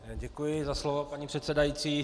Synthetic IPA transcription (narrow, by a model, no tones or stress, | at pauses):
ɟɛkujɪzaslovopaɲiːpr̥ɛt̪sɛdajit͡siː